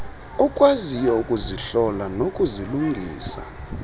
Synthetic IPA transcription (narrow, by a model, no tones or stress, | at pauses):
ɔkʼwazijɛukʼuziɬɔlanokʼuziluŋɡʱḭːsa̰